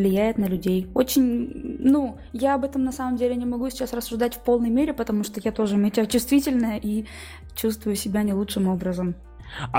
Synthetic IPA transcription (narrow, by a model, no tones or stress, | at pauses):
lʲɪjæjɪt̪nəlʲʉdʲejot͡ɕɪnʲnu | jaɐbɛt̪əmnɐsaməmdʲelʲɪnʲɪmɐɡusʲɪt͡ɕasrəsːʊʐd̪atʲfpo̞lˠnəjmʲeɾʲɪpət̪ɐmuʂt̪ojat̪o̞ʐɨmʲɪtʲət͡ɕʊst̪vʲitʲɪlʲnəjəʔi | t͡ɕust̪vʊjʊsʲɪbʲanʲɪlˠuʂɨmo̞bɾəzəm